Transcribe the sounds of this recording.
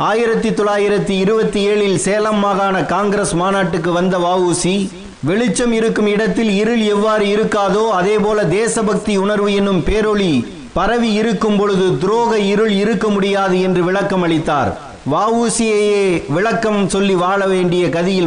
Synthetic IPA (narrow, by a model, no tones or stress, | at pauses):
aːjɪɾɐt̪ːɯt̪ːɔɭːaːjɪɾɐt̪ːɯɪɾɯbɐt̪ːieːɭɪlseːlɐmːaːɣaːnɐkaːŋɡɪɾeːsmaːnaːʈːɯk̬ːɯʋɐnd̪ɐʋaːʋuːsi | ʋɛɭɪt͡ʃːɐmɪɾɯkːɯmɪɽɐt̪ːɪlɪɾɯlɛʋːaːɾɯɪɾɯkːaːðoːɐðeːpoːlɐd̪eːsɐbɐk̚t̪iʊɳɐɾʋɯɛnːɯmpeːɾɔɭi | pɐɾɐʋiɪɾɯkːɯmpɔɻɯðɯd̪ʊɾoːɣɐɪɾɯɭɪɾɯkːɐmʊɽɪjaːðɯɛndrɯʋɪɭɐkːɐmɐɭɪt̪ːa̰ːɾ | ʋaːʋuːsɪjɐjeːʋɪɭɐkːɐmsɔlːiʋaːɭɐʋeːɳɖɪjɐkɐðɪjɪl